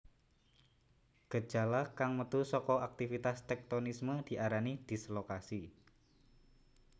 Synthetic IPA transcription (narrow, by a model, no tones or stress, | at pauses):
ɡ̥ə̥ʒ̥a̤lakaŋmət̪usɔkɔak̚t̪ifit̪ast̪ɛk̚t̪onisməd̪̥i̤ʔaɾanid̪̥i̤slokasi